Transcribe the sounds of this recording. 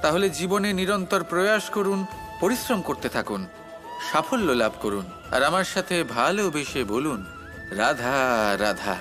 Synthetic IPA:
t̪aɦoled͡ʑiboneniɾɔnt̪oɾpɾojaʃkoɾun | poɾisɾomkoɾt̪et̪ʰakun | ʃafʰolːolabʱkoɾun | a̰ɾamaɾʃat̪ʰebʱalobeʃebolun | ɾad̪ʱaɾad̪ʱa̰

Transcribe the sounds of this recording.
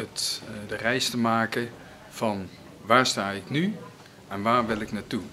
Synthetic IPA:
ətdərɛjstəmaːkə | fɑn | ʋaːɹstaːɪkny | ʔɛnʋaːɹʋɪlˠɪknaːtu

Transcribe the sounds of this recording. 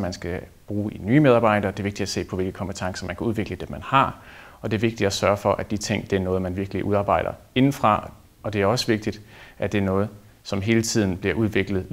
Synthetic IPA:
mænsɡ̥æb̥ʁuːiny̰ːmeð̞ˠɑ̈ːb̥ɑ̈ɪ̰ɾ̥ɐːd̥e̝ɐʋe̝ɡ̥d̥id̥æse̝̰ːpʰɒ̽ʋe̝lɡ̥əkʰɒ̽mpet͡sʰɑ̈ŋsɐmænkʰæuð̞ˠʋe̝ɡ̥ləd̥emænhɑ̈ɒ̽d̥e̝æɐʋe̝ɡ̥̚d̥id̥æsɶɐfɒ̽ʔæd̥it͡sʰe̝ŋ̰d̥e̝æɐnɔ̽ːð̞̩ˠmænʋiɐɡ̥əliʔuð̞ˠɑ̈ːbɑ̈ɪ̰ɾ̥ɐe̝nn̩fʁɑ̈ | ɒ̽d̥e̝æɐɒ̽səʋe̝ɡ̥̚d̥id̥ʔæd̥e̝æɐnɔ̽ːð̞̩ˠ | sɒ̽mɦe̝ːlət͡sʰið̞̰ˠn̩b̥liɐʔuð̞ˠʋe̝ɡ̥lð̞̩ˠ

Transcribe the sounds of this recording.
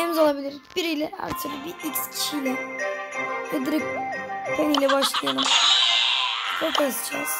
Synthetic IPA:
ɛmzolˠabilʲiɾib̥iɾijlʲɛa̰ɾt̪ʰɯɾlˠbiicscʰi̥ʃijlʲɛ | vɛd̪ɾip̚kʰonijlʲɛbaʃlˠɯjalˠɯm | bopʰasɯ̥t͡ʃʰa̰z̥

